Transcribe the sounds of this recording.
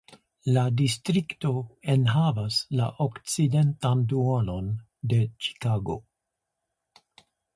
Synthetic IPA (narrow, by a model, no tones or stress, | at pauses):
ladistɾikto̞e̞nɦavasla̰ʔokt͡side̞ntanduono̞n | de̞t͡ʃi̥kaɡo̞̰